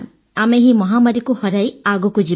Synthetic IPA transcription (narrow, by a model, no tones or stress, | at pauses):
ameɦimɔɦamaɾikuhɔɾajaɡɔkud͡ʒi